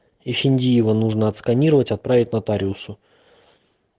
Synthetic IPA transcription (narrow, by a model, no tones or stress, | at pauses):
ifʲɪnʲdʲijɪvənuʐnəɐt̪skɐnʲiɾəvətʲɐt̪̚pɾavʲɪtʲnɐt̪aɾʲɪʊsʊ